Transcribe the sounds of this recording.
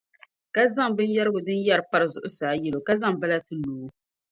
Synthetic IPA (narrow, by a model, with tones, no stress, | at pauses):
ka˦za˦ŋbɨ˦n˦ja˦ɾɨ˦ɡʊ˨dɨ˦nja˦ɾpa˦ɾɨ˨zʊ˨ʔʊ˦saː˨˦jɛ˦lo˨ka˦za˦ŋbɨ˦la˦tɨ˦luː˨˦